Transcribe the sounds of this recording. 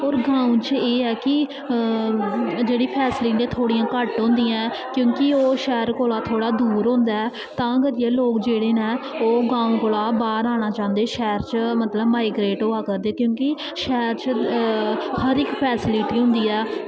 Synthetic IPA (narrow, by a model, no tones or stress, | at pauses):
oːɾɡãːũːt͡ʃeːɛːkɪ | d͡ʒeːɽiːpʰɛːsɪliʈẽːt̪ʰoːɽiːãːkəʈɦʊ̃ːnd̪ijãː | kjõːkɪoːʃɛːɾkoːlaːt̪ʰoːɽaːd̪uːɾɦʊ̃nd̪aːɛː | t̪ãːɡəd̪ieːloːkd͡ʒeːɽeːnɛ̃ːoːɡãːũːkoːlaːbaːɾaːñaːt͡ʃaːʊ̃nd̪eːʃɛːɾt͡ʃmət̪ləbmaːɪɡɾeːʈɦoːaːkəɾd̪eːkjõːkɪ | ʃɛːɾt͡ʃ | həɾɪkpʰɛːsɪliʈiːɦʊ̃nd̪iːɛː